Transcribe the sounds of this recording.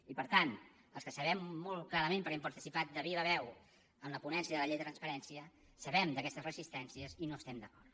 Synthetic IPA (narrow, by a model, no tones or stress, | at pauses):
ipəɾt̪an | əlˠskəsəβɛmːolˠklaɾəmẽmpəɾɛmpəɾt̪isipat̪̚d̪əβiβəβɛw | əmləpunɛnsiəðələʎejðət̪ɾənspəɾɛnsiə | səβɛmd̪əkɛst̪əzrəzist̪ɛnsiəzinoəst̪ɛmd̪əkɔrt̪